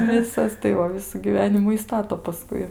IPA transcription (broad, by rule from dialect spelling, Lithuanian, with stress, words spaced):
ˈʋʲɪsɐs tɐɪ ˈʋɐ ˈʋʲɪsuː ɡʲiːˈʋʲæːnʲɪmʊ ɪ ˈstɑːtoː pɐˈskʊɪ